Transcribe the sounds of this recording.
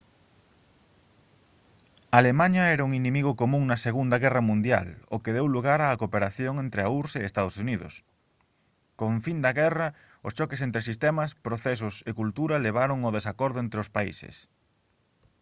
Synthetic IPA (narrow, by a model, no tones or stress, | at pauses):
aalemaɲɐɛɾɐuŋinemiɣokomũŋnɐseɣund̪ɐɣɛrɐmũnd̪ja̰lokeðewluɣaɾaːkopeɾaθjoŋent̪ɾeauɾseest̪aðosuniðʊ̰s | kõɱfind̪ɐɣɛrɐ | ʊst͡ʃɔkesent̪ɾesist̪ɛmɐspɾoθɛs̬ʊsekult̪uɾɐleβ̞aɾoŋoðesakɔɾðʊent̪ɾeʊspaḭseɪ̰s